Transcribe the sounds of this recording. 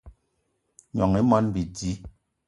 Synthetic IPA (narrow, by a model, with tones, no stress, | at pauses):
ɲɔ˨ŋi˨˦mɔ˦nbi˨di˦